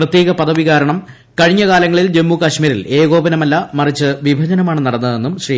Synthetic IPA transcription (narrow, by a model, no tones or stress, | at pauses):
rɐt̪jeːɣɐpɐðɐʋiɣaːɾɐɳɐm | kɐɻiɲːɐɣaːlɐŋːɐɭild͡ʑe̞mːukɐɕmiːɾile̞ːɣo̞ːbɐnɐmɐlːɐmɐrit͡ɕːɨʋibʱɐd͡ʑɐnɐmaːɳɨnɐɽɐnːɐðe̞nːumɕriː